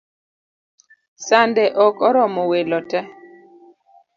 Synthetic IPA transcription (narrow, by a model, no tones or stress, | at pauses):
sandɛʔɔkɔɾɔmɔwelɔtɛ